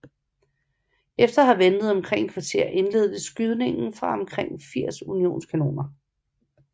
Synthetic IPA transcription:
efd̥ɐhɑ̈ʋenð̞̩ˠɒ̽mkʰʁeŋ̰kʰʋɑ̈t͡sʰe̝ɐ̰ʔe̝nle̝̰ːð̞ˠd̥əsɡ̥yð̞ˠne̝ŋn̩fʁɑ̈ɒ̽mkʰʁeŋ̰fiɐ̰sunio̝̰ːnskʰæno̰ːnɐ

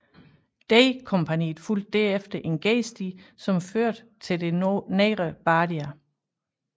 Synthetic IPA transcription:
d̥eɪkʰɒ̽mpʰænḭːð̩ˠful̰d̥̚ːæɐefd̥ɐʔe̝nɡ̥eːsd̥isɒ̽mføɐ̰d̥ | t͡sʰe̝ld̥e̝neɪʁəb̥ɑːd̥iæ

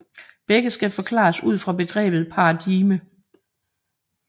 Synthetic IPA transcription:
b̥eɡ̥əsɡ̥æfɒ̽kʰlɑ̰̈suð̞̰ˠfʁɑ̈be̝d̥ʁɛ̰ːb̥ð̞̩ˠpʰɑ̈ɑd̥imə

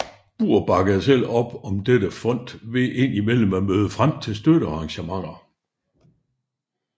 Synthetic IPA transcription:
b̥ṵːɐ̰b̥ɑ̈ɡ̥əðˠsel̰ɒ̽b̥ɒ̽md̥ed̥əfɒ̽n̰d̥ʋe̝ʔe̝n̰imel̰m̩æmøːð̞ˠəfʁam̰t͡sʰe̝ls̬d̥øɾəɑ̈ʁɑ̈ŋɕəmɑ̈ŋ̰ɐ

